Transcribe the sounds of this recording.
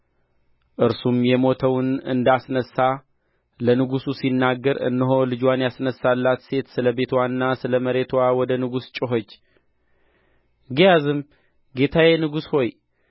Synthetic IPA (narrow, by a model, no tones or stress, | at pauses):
ʔɨɾsumjɛmo̞t̪ʰəwnɨ̰nd̪asnəsːa | lənɨɡususinːaɡːəɾɨ̰nːɨɦo̞lɨd͡ʒwanjasnəsːalːat̪se̞t̪sɨləbe̞t̪ʰwanːasɨləməɾe̞t̪ʰwawɔd̪ənɨɡust͡ʃʼɪɦot͡ʃː | ɡijazɨm | ɡe̞t̪ʰawenɨɡusho̞j